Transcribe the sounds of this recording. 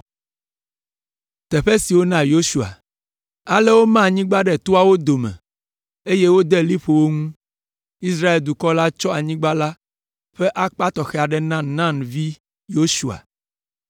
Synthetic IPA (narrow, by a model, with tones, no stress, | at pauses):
t̪ɛ˨ɸe˦si˨wo˦nã˦jo˦su˨a̰˨ | a˨lɛ˦wo˦mã˦˨ɲĩ˦ɡ͡ba˦ɖɛ˨t̪o˦a˦wo˦d̪o˨mɛ̰̃˨ | e˦je˦wo˦d̪ɛ˦li˦ɸo˨wo˦ŋũ˦ | i˦s̬ɾa˦e˨ld̪u˨kɔ˦la˦t͡ʃɔ˦a˨ɲĩ˦ɡ͡ba˦la˦ | ɸɛ˦ʔa˦k͡pa˦t̪ɔ˨xɛ˦˨a˨ɖɛ˨nã˦nã˦˨nvi˦ | jo˦ʃu˨a̰˨